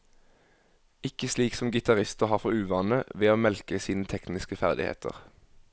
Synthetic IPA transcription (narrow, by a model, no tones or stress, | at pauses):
ɪkəsliːksɔmɡɪt̪ɑʁɪst̪əʁhɑːʁfɔʁʉːʋɑːnəʋeːoːmɛlkəsiːnət̪ʰɛknɪskəfæʁd̪ɪ̰hḛːt̪ʰə̰ʁ